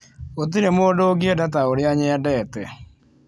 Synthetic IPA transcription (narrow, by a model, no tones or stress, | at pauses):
ot̬iɾemoːdoɡiedat̬aoɾeaɲɛadɛːtɛ